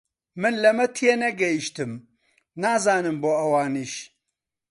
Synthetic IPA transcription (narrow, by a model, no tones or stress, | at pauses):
mɨnlɐmɐt̪ʰienɐɡɐjiʃt̪ɨm | naːzaːnɨmboːɐwaːniːʃ